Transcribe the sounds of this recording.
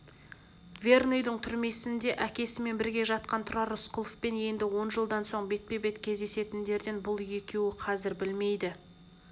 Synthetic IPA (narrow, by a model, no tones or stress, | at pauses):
vʲe̞rnojd̪əɴt̪ʰʏɾme̞sɪnd̪e̞ʔækʲe̞sɪme̞nbɪɾɡʲe̞ʒɑt̪̚qɑnt̪ʰʊɾɑɾʊsqʰʊlˠfpe̞nje̞nd̪ɪwo̞nʒəlˠd̪ɑnso̞ɴbe̞t̪̚pe̞be̞t̪kʲʰe̞zd̪e̞se̞t̪ɪnd̪e̞ɾd̪enbʊlˠje̞kʲe̞wɪqʰɑzɪɾbɪlme̞jd̪ɪ